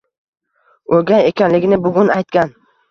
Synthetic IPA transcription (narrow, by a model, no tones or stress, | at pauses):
oɡʲajekʲʰanlɪɡʲɪnɪbʊɡʲʊnajt̪̚kʲan